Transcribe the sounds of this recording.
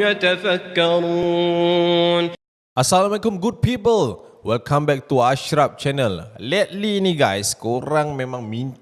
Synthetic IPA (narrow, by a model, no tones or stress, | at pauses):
jat̪afakːaɾu | n | ʔasalamalɛkũmɡud̚pipəlwilkʰãmbɛk̚tuaʃɾap̚t͡ʃɛnəllɛt̚liniɡajskoɾãŋmẽmãŋmĩɲ